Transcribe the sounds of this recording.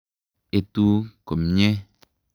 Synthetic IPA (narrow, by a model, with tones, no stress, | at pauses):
e˨t̪u˦ko˨mɲɛ̃˦